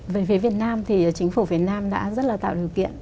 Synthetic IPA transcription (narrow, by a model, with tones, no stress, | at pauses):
vəː˨˦jvi˨˦vi˨˩ət̚naː˧mt̪ʰi˨˩˨t͡ɕï˨˦ŋ̟fu˧˩fi˨˩˦ət̚naː˧mɗa̰ː˧˥zə˦˥t̚laː˨˩t̪a̰ː˧˨wɗi˨˩əwkḭ˧˨ən